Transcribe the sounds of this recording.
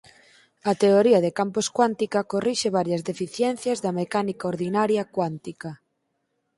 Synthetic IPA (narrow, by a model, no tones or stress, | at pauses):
ɐt̪eoɾiɐðekamposkwant̪ikakoriʃeβ̞aɾjɐzðefiθjɛn̟θjazðɐmekanikaoɾðinaɾjakwant̪ika